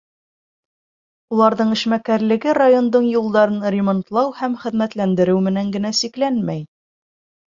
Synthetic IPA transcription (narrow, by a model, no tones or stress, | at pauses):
ulˠɑɾðɤɴɘ̆ʃmækæɾlɘ̆ɡɘrajo̞nd̪ɤɴjulˠd̪ɑɾɤnɾʲɪmont̪lˠɑwhæmχɘ̆ðmæt̪lænd̪ɘ̆ɾɘwmɘ̆næŋɡɘ̆næsiklænmæj